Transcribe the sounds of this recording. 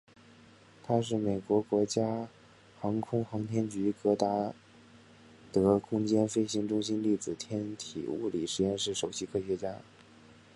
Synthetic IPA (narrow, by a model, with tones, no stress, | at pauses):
t̪ʰa˥ʂ̬ɻ̩˥˩me˨˩ɪkwɔ˧˥kwɔ˧˥t͡ɕja˥ | xɑ˧˥ŋkʰʊ˥ŋxɑ˧˥ŋt̪ʰjɛ˥nt͡ɕy˧˥kɤ˧˥t̪a˧˥ | t̪ɤ˧˥kʰʊ˥ŋt͡ɕjɛ˥nfe˥˩ɪɕi˧˥ŋʈ͡ʂʊ˥ŋɕi˥nli˥˩t͡sɹ̩˨˩t̪ʰjɛ˥nt̪ʰḭ˨˩ṵ˥˩li˨˩ʂɻ̩˧˥jɛ˥˧nʂɻ̩˥˩ʂo˨˩ʊɕi˧˥kʰɤ˥ɕɥɛ˧˥t͡ɕja˥